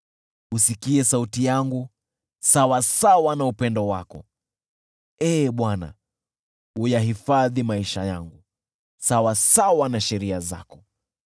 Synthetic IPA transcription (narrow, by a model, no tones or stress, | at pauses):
usikiɛsautijaŋɡu | sawasawanaupɛndɔwa̰kɔ̰ | ɛːɓwana̰ | ujahifaðimaiʃajaŋɡu | sawasawanaʃɛɾiaza̰kɔ̥